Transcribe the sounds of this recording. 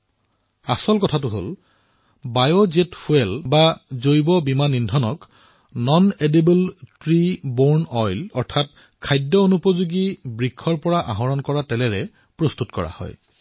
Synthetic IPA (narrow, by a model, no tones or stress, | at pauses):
asɔlkɔtʰatʊɦo̰l | bajozetfuɛlbazojbɔbimanːindʱɔnɔk | nɔnedebəltɹibɔɹnɔjlɔɹtʰat̚ | kʰajdjɔonupozuɡibɹikʰːɔɹpɔɹaʔaɦɔɹɔnkɔɹatɛlɛɹɛ | pɹɔstutkɔɹa̰hɔ̰j